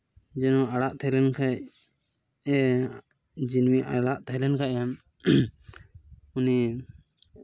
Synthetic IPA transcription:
d͡ʒɛnɔʔaɽaʔt̪ʰɛjlɛnkʰa | d͡ʒinmiʔaɽaʔt̪ʰalɛnkaʔan | uni

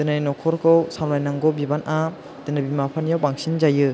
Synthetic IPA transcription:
dɯnajnɔkʰɔɾkʰɯwsawnajnaŋɡɔbibanʔa | dɯnɯbimapʰanjawbaŋsinzajɯ

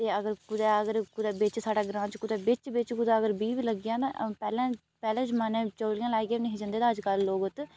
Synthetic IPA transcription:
t̪eːəɡəɾkʊd̪ɛːəɡəɾkʊd̪ɛːbɪt͡ʃsaːɖaːɡɾãːt͡ʃkʊd̪ɛːbɪt͡ʃbɪt͡ʃkʊd̪aːəɡəɾbiːʋiːləɡjãːt̪ãːpɛːlãː | pɛːlãːt͡ʃmaːnɛ̃ːt͡ʃəːlɪjãːlaːiːɡenĩːɦɪd͡ʒə̃nd̪eːd̪ãːəd͡ʒkəlːoːɡʊt̪

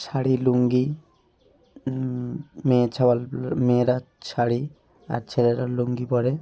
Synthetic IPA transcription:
t͡ʃʰaɽiluŋɡi | met͡ʃʰawalmeɾa | t͡ʃʰaɽi | a̰ɾt͡ʃʰeɾeɾaluŋɡipɔɾe

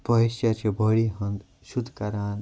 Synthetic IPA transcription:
pʌɦisjat͡ʃʰĩbʱʌɽiɦʌnd̪ | sud̪ʱkaɾaːn

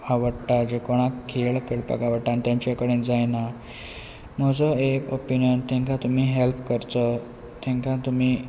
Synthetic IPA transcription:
aʋəɽʈad͡ʑekoɽ̃akʰːeɭkeɽpa̰kaʋəɽʈãnt̪jãɲt͡ɕakəɽend͡zajna | məd͡zəekopinjənt̪ẽŋkãt̪um̤iːɦelpkəɾt̪ə | t̪ẽŋkãt̪umiː

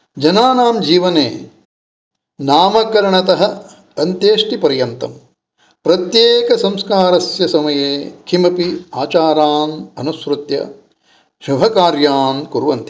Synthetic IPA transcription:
d͡ʒɐnaːnaːmd͡ʒiːʋɐnḛː | naːmɐkɐɾɐɳɐt̪ɐɦɐ̆ | ɐnt̪jeːʂʈipɐɾjɐnt̪ɐ̰m | pɾɐt̪jeːkɐsɐ̃mskaːɾɐsjɐsɐmɐjeːkʰimɐpiaːt͡ʃaːɾaːnɐnusʋɾut̪jɐ̰ | ʃubʱɐkaːɾjaːnkuɾʋɐnt̪i̥

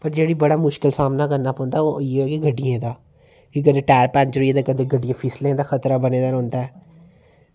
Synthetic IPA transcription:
pəɾd͡ʒeːɽiːbəɽaːmʊʃkɪlsaːmnaːɡəɾnaːpɔ̃ːnd̪aːojeːɛːkiɡəɖːijẽːd̪aː | kɪɡəd̪eʈɛːɾpɛ̃ːnt͡ʃɾjẽːd̪aːkəd̪eːɡəɖijãːpʰɪslẽːd̪aːxət̪ɾaːbəneːd̪aːɾõːnd̪aːɛː

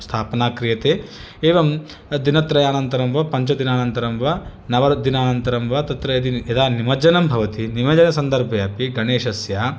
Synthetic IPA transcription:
st̪ʰaːpɐnaːkɾijɐt̪eː | eːʋɐm | d̪inɐt̪ɾɐjaːnɐnt̪ɐɾɐmʋɐpɐɲt͡ʃɐd̪inaːnɐnt̪ɐɾɐmʋɐnɐʋɐɾd̪inaːnɐnt̪ɐɾɐmʋɐt̪ɐt̪ɾɐjɐd̪iɐd̪aːnimɐd͡ʒɐnɐmbʱɐʋɐt̪inimɐd͡ʒɐnɐsɐnd̪ɐɾbʱɐjaːpiɡɐneːʃɐsjaː

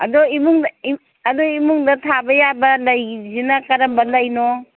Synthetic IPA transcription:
ɐdoimuŋi | ɐdoimuŋdɐtʰabɐjabɐlɐjzinɐkɐɾɐmbɐlɐjno

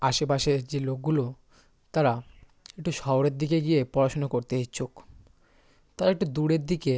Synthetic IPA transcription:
aʃepaʃed͡ʑelok̚ɡulo | t̪aɾa | ek̚ʈuʃɔoɾeɾd̪ikeɡijepɔɾaʃonakoɾt̪eet͡ɕʰok | t̪aɾaek̚ʈud̪uɽeɾd̪ike

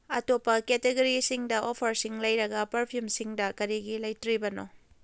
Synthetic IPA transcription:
ɐtopːɐketeɡɐɾisiŋdɐʔopʰɐɾsiŋlɐjɾɐɡɐpɐɾpʰijumsiŋdɐkɐɾiɡilɐjtɾibɐno

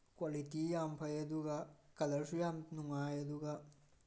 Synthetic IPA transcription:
kwalitijampʰɐjɐd̪uɡɐkɐlɐɾsujamnuŋajɐd̪uɡɐ

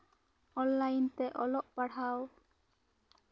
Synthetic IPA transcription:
ɔnlajnt̪ɛʔɔlɔʔpaɽaw

